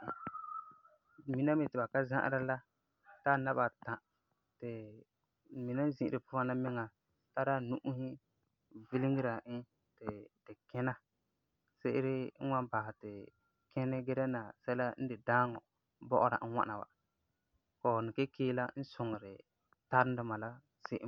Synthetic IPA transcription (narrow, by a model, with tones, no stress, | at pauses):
mi˨˦na˦mɪ˨tɪ˨ba˨ka˦zã̰˦ʔɾa˦la˦ | ta˦˨na˦ba˨tã˨ | tɪ˨ | mi˨na˦zĩ˦ʔɪ˨ɾɪ˨pʊ˦fa˦na˦mɪ˦ŋa˨ | ta˦ɾaː˦nu˦ʔu˦hɪ˦ | vi˦li˦ŋi˦ɾa˨ɪ˦ | tɪ˨dɪ˨kɛ˦na˦ | sɪ˦ʔɪ˦ɾɪ˦ŋ̩˦wa˦ba˨ha˨tɪ˨ | kʰɛ˦nɪ˦ɡe˦ɾɛ˦na˨sa˦la˦n̩˦dɪ˨daː˦ŋɔ˨˦ | bɔ˦ʔʊ˦ɾa̰˨n̩˦wa̰˦na˨wa̰˨ | kɔː˨nɪ˨ke˦keː˦la˦n̩˦sʊ˨ŋɪ˨ɾɪ˨ | ta˦ɾɪ˦dɪ˨ma˨la˦ | sɪ˦ʔɪ˦